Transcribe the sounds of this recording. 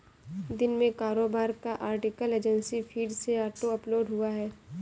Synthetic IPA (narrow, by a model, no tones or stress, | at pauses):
d̪ɪnmẽkaːɾoːbaːɾkaʔaːɾʈɪkəleːd͡ʒə̃nsifʰiːɖseaːʈoɐploːɖɦuaɦɛː